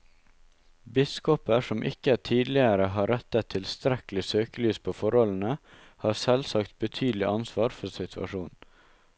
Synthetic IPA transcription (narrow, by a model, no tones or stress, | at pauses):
bɪskɔpəʂɔmʔɪ̰kət̪ʰiːd̪lɪəɾəɦɑːɾɛt̪ət̪ʰːɪlst̪ɾɛkl̩ɪsøːkəlyːspʰoːfɔɾhɔln̩ə | hɑːɾsɛlsɑkt̪̚bət̪ʰyːd̪l̩ɪʔɑnsʋɑːɾfɔsɪt̪ʰʉɑ̰ʃuːn